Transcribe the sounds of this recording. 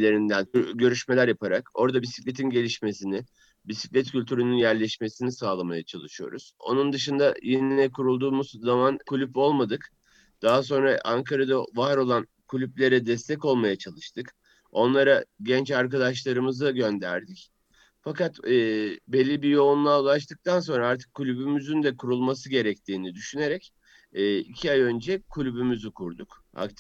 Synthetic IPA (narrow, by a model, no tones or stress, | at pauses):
lʲeɾind̪ænɟø̞ɾyʃme̞lʲæɾjapʰaɾako̞ɾd̪abisi̥clʲet̪ʰinɟe̞lʲiʃme̞sinɪ | bisi̥cʲlʲɛt̪cʰylʲt̪ʰyɾynynjæɾlʲɛʃme̞sinisaːlˠamajat͡ʃʰalˠɯʃɯjo̞̰ɾuz̥o̞̰nund̪ɯʃɯnd̪ajeninɛkʰuɾulˠd̪uːmuz̥zamankʰulʲypo̞lˠmad̪ɯk | d̪̥aɦas̬o̞nɾaʔaŋkʰaɾad̪avaɾo̞lˠan | kʰulʲyplʲe̞ɾɛd̪ɛst̪ʰɛco̞lˠmajat͡ʃʰalˠɯʃt̪ʰɯk | o̞nlˠaɾaɟɛnt͡ʃaɾkad̪aʃlˠaɾɯmɯzɯɟø̞nd̪æ̰ɾd̪ic | fakat̪ː | bɛlʲːibijo̞unlˠaulˠaʃt̪ɯk̚t̪ʰans̬o̞nɾaaɾt̪ʰɯ̥kʰːulʲybymyzynd̪ɛkʰuɾulˠmasɯɟe̞ɾɛc̚t̪ʰiːnid̪yʃyne̞ɾɛcː | icʰiajø̞nd͡ʒɛkʰulʲybymyzykʰuɾd̪uk | a̰k̪